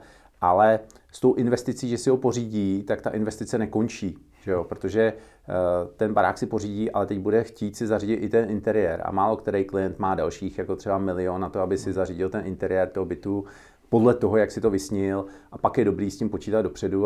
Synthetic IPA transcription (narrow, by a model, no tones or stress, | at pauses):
ʔalɛ | st̪o̞wʔɪnvɛst̪ɪt͡siːʒɛsɪɦopo̞riːɟiːt̪akt̪aʔɪnvɛst̪ɪt͡sɛnɛko̞nt͡ʃiː | ʒ̥ɛjopɾot̪o̞ʒɛ | t̪ɛnbaɾa̰ːksɪpo̞riːɟiːʔa̰lɛt̪ɛɟbudɛxciːt̪sɪzariɟɪt̪ʔɪt̪ɛnɪnt̪ɛɾɪjɛɾa̰maːlo̞kt̪ɛɾɛjklɪjɛnt̪maːdalʃiːxjako̞t̪r̥ɛbamɪlɪonːat̪oabɪsɪzariɟɪlt̪ɛnʔɪnt̪ɛɾɪjɛrt̪oɦobɪt̪u | po̞dlɛt̪o̞ɦo̞jaksɪt̪o̞vɪsɲɪlʔapakjɛdo̞bɾiːscɪmpo̞t͡ʃiːt̪ad̪do̞pr̝̥ɛdu